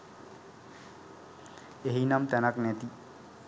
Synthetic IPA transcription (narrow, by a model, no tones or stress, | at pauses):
eɦinamt̪ɛnaknɛt̪i